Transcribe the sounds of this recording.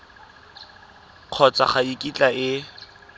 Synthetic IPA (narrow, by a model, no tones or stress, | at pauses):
q͡χʰɔt͡sʼa̰χaikʼit͡ɬʼaɪ